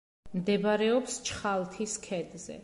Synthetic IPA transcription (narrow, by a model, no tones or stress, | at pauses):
md̪ɛbɾɛɔpst͡ʃʰχalˠt̪ʰiskʰɛd̪zɛ̰